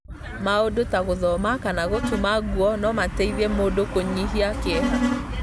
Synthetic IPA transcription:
maodotaɣoðɔmakanaɣotumaɡuɔnɔmatɛiðɛmodokoɲiɦiake

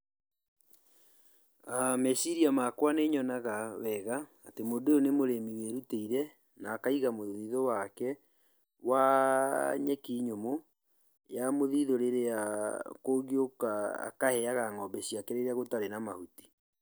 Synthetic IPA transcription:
amɛsiɾiamakwaneɲɔnaɣawɛɣaː | temodoonemoɾemiweɾuteiɾɛ | naːkaiɣamoðiðowakɛ | wa | ɲɛkiɲomo | jamoðiðoɾeɾeakoɡiokaa̰kahɛaɣaŋɔbɛɕiakeɾeɾaɣotaɾenamahuti̥

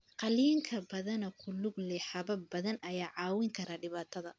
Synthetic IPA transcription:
qɑliːŋkʰɐbɐðɐnɔkʰʊlʊɡlɛħɑβɐbɐðɐnʔɐjaːʕɑːwɪŋkʰɐɾaːɖɪβaːt̪ʰɐðɐ

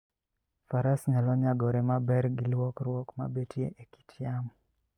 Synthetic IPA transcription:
faɾasɲalɔɲaɡɔɾɛmabɛɾɡɪlwɔkɾwɔkma̰betjḛʔeki̥tʰjam

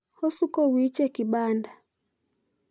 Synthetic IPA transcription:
hɔsukɔwit͡ʃɛkiɓanda

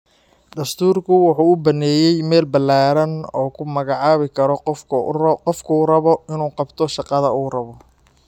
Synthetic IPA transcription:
d̪ɐst̪ʰuːrkʰʊwɑħuːʊbɐnɛːjɛjmɛːlbɐlːaːɾɐnɔːkʰʊmɐɣɑʕɑːβɪkʰɐɾɔ | qɔfkʰʊurɐβɔɪnuːqɑbt̪ʰɔʃɑqɑðɐuːrɐβɔ

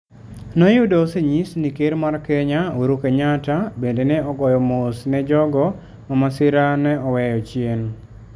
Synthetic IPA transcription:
nojudɔseɲisnikeɾmarkɛɲaoɾukeɲatabendenɛɔɡɔjɔmʊsnɛd͡ʒɔɡɔ | mamasɪɾanɛɔwɛjɔt͡ʃjen

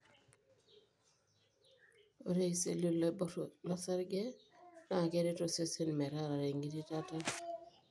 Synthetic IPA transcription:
oɾejsḛlulːeblasaɾɡenakeɾitosesenmeɾaɾaɾeŋɡiditata

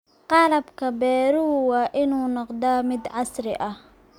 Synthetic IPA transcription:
qɑlɐbkʰɐbɛːɾʊwɑːʔɪnuːnɔqd̪ɐmɪd̪ʕɑsɾɪ̰ʔɐh

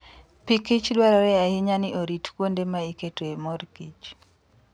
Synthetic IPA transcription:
pikit͡ʃdwaɾɔɾɛahiɲanɪʔoɾitkwondemaiketoemɔrkit͡ʃ

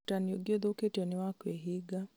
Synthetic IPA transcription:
tanioɡed̪oketiɔniwakweɦiɡa

